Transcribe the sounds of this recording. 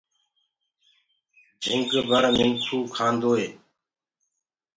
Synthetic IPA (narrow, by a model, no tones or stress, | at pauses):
d͡ʒʱɪ̃ŋɡbəɾmɪŋsʰuːkʰaːnd̪oːɦeː